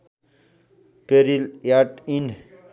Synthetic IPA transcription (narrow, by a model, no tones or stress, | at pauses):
peɾiljaʈin